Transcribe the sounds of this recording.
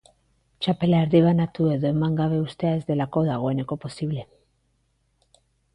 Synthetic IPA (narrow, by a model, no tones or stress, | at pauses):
t͡ʃape̞laeɾðiβ̞anat̪ue̞ðo̞e̞maŋɡaβ̞e̞ust̪e̞ae̞zðe̞lako̞ðaɣ̞o̞e̞ne̞ko̞po̞siβle̞